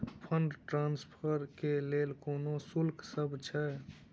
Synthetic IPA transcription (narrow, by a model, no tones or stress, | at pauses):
pʰəɳɖʈɾaːnspʰəɾkeleːlkoːnosʊlksəbt͡ʃʰɛ